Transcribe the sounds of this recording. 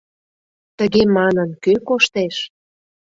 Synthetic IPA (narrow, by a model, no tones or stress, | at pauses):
t̪əɣemɑnənkøkoʃt̪eʃ